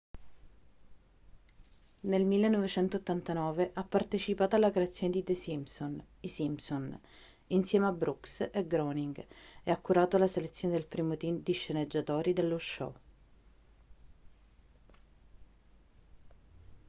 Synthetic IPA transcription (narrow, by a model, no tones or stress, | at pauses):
nelmilːenːɔvet͡ʃɛnt̪oːt̪ːant̪anɔːveʔapːart̪et͡ʃipaːt̪oalːakɾeat̪sːjoːned̪id̪esison | isimson | insjɛːmeabɾukseɡɾoniŋɡɛakːuɾaːt̪oalaselet̪sːjoned̪elpɾiːmot̪iːmd̪iʃːened͡ʒːat̪oːɾid̪elːoʃːɔ̰